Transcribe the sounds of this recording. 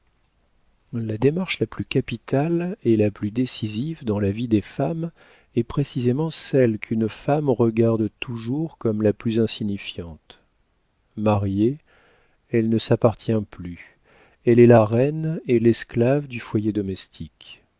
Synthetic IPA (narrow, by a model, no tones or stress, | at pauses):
lad̪emaʁʃlaplykapit̪alɛlaplyd̪esizivd̪ɑ̃lavid̪efam | ɛpχesizemɑ̃sɛlkʰynfamʁəɡaʁd̪t̪uʒuʁkɔmlaplyzɛ̃siɲifjɑ̃t̪ | maʁje | ɛlnəsapaʁt̪jɛ̃ply | ɛlɛlaʁɛnelɛsklavd̪yfwajed̪ɔmɛst̪ʰik